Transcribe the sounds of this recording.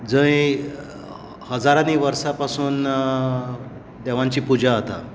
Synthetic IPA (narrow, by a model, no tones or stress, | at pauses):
d͡zə̃j | həd͡zaɾaniːʋəɾsapasuːn | d̪ɛʋãɲt͡ɕiːpud͡ʑaat̪a̰